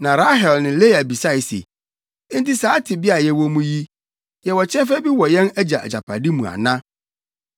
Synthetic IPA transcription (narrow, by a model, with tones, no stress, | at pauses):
nã˨ɾa˦ɦɛ˨lnɪ̃˨le˦a˨bi˨sa˦i˨sḛ˨˦ | n̩˦tɪ˦saː˨˦tʰɪ˨bɪ˦a˨jɛ˦wɔ˦mũ˦ji˦ | jɛ˨wɔ˨t͡ɕʰɛ̃˦fæ˦bi˦wɔ˨jɛ̃˦næ˦d͡ʑa˨ʔæ̰˨d͡ʑa˨pʰa˨di˦mũ˨a̰˨nã˦